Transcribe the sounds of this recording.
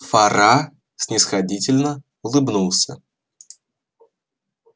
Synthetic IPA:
fɐɾa | sʲnʲɪsxɐdʲitʲɪlʲnə | ʊlˠɨbnulˠsʲə

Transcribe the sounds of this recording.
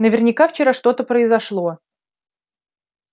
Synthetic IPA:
nəvʲɪrnʲɪkaft͡ɕɪɾaʂt̪o̞t̪əpɾəɪzɐʂlˠo̞

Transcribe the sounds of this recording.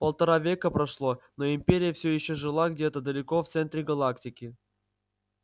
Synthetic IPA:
pəlˠt̪ɐɾavʲe̞kəpɾɐʂlˠonoɪmpʲeɾʲɪjəfsʲojɪɕːoʐɨlˠaɡdʲet̪əd̪əlʲɪko̞ft̪sɛnt̪ɾʲɪɡɐlˠaktʲɪkʲɪ

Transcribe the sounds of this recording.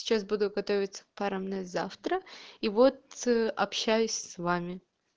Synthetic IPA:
ɪ̥t͡ɕas̬bud̪ʊɡɐt̪ovʲɪt̪sə̥kpaɾəmnɛzaft̪ɾəivot̪ɐ̰pɕæjʊsʲsvamʲɪ

